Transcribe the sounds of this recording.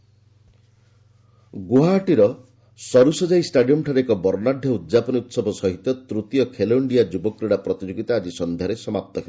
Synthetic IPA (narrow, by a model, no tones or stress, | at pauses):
ɡuɦaːʈiɾɔ | sɔɾusɔd͡ʒaisʈaɖijɔmʈʰaɾeekɔbɔɾnadʱjɔud̪d͡ʒapɔnut̪sɔbʱɔsɔɦit̪ɔt̪ɾut̪ijɔkʰeloiɳɖijad͡ʒubɔkːɾeɽapɾɔt̪id͡ʒoɡit̪aːd͡ʒisɔnd̪ʱjaɾesɔmap̚t̪ɔkʰel